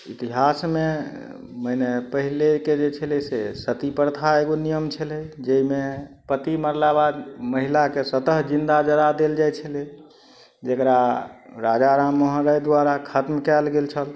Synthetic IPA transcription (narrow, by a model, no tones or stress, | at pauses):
ḭt̪iɦasme | məjnepəɦileked͡ʒet͡ʃʰəlesesət̪ipəɾt̪ʰaeɡonijəmt͡ʃʰələd͡ʒəimepət̪iməɾlabad̪məɦilakesət̪əɦd͡ʒind̪ad͡ʒəd̪ad̪eld͡ʒajt͡ʃʰəle | d͡ʒekɾaɾad͡ʒaɾamːəɦəɾəjd̪waɾakʰət̪mkɛlɡelt͡ʃʰəl